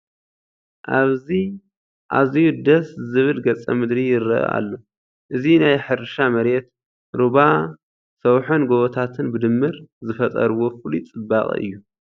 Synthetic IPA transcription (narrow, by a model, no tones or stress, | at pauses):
ʔaβzi | ʔa̰zijud̪ɐszɨβɨlɡɐt͡sʼːɐ̰mɨd̪ɾijɪɾɐʔɐ̰ʔa̰lːo̞ | ʔɨzinajħɨɾʃamɐɾet̪ | ɾuβa | sɐwħonɡoβɔt̪ʰat̪ʰɨnbɨd̪ɨmːɨɾzɨfɐt̪ʼɐ̰ɾwo̞fɨlit͡sʼɨbːaχʼḭɨ̰jːu